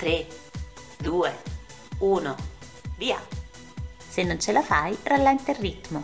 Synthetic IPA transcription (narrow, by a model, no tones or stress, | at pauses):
t̪ɾe | d̪ue | uːnovia̰ | senːont͡ʃelafajɾalːɛint̪erːit̪mo